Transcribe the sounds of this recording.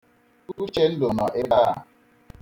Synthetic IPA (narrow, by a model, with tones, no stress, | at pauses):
u˦u˦t͡ʃe˦n̩˦do˨nɔ˨ʔe˦da˦a˨